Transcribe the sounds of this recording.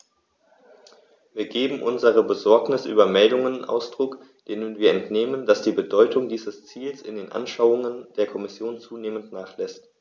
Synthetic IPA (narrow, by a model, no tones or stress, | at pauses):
viːɐɡeːbm̩ʔʊnzəʁ̞əbəzɔɐknɪsʔyːbɐmɛldʊŋənʔa̰ʊsd̥ʁʊk | d̥eːnənviːɐɛntneːməndasd̥iːbədɔʏtʰʊŋdiːzəst͡siːlsɪndeːnʔa̰nʃaʊʊŋənd̥eːɐkʰɔmɪsjoːnt͡suːneːməntnaːχlɛst